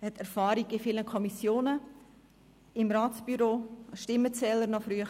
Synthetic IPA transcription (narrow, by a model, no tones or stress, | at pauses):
hɛt̪æɾfɑːɾiɡɪfiləkʰɔmisjoːnə | ɪmɾaːtsb̥yɾoːʃtɪmːət͡sɛːləɾnɔfɾyə